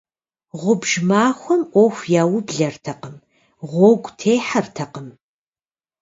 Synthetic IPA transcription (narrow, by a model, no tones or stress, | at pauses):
ʁʷʊbʒmaːxʷɔmʔʷɔxʷjaːwʊbɮɐrtʰɐqəm | ʁʷɔɡʷtʰeːħɐrtʰɐqəm